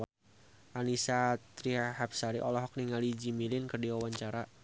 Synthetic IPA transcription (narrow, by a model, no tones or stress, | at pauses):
ʔanisat̪ɾiɦahap̚saɾiʔɔlɔɦɔk̚niŋalid͡ʒimilɪnkərdiwawaɲt͡ʃaɾa